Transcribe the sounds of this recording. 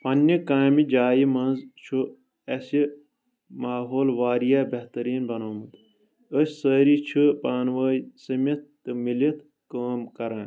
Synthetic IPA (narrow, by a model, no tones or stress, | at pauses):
pɐnːikaːmid͡ʒaːjimɐnzt͡ʃʰu | ɐsi | maːɦoːlʋaːɾijabɐht̪ɐɾiːnbɐnoːmɨt̪ | əsʲsəːɾit͡ʃʰupaːnʋəːsɐmʲɐt̪̚t̪ːɨmilit̪ʰ | kaːmkɐɾãːn